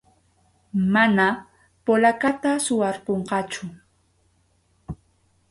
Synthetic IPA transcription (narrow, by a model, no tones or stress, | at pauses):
mana | polakat̪asʊwaɾpoɴqɑt͡ʃʊ